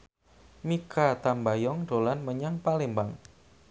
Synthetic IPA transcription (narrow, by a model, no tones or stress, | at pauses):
mikat̪ambajɔŋɖolanməɲaŋpalembaŋ